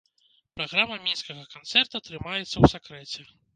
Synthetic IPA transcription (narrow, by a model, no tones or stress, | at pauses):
pɾaɣɾamːɐmʲinskɐɣɐkant̪sɛrt̪uɐt̪ɾɨmajɛt̪sːɐwsakɾɛt͡sʲɛ